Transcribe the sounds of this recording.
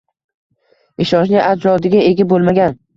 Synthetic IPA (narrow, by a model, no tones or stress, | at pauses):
ɪʃɒnt͡ʃnɪʔad͡ʒɾɒd̪ɪɡʲaeɡʲabolˠmaɡʲan